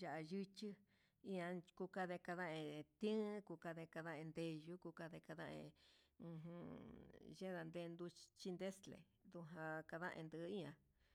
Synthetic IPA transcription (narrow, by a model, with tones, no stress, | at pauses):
ʒa˨ʔa˧ʒɨ˦t͡ʃi˦ | ĩ˦ã˧ku˧ka˧ðe˧ka˧ðã˦ʔẽ˧t̪ĩ˦ku˧ka˧ðe˧ka˧ðã˦ʔẽ˧nd̪e˧ʒu˦ku˧ka˧ðe˧ka˧ðã̰˦˧ʔḛ̃˧ũ˧ɦũ˧ | ʒe˦ða˧nd̪e˧nd̪u˧t͡ʃi˦nd̪e˦slḛ˨ | ðu˧ɦã˧ka˧ðã̰˦ʔḛ̃˧nd̪ɨ˧˨˧i˦ã˧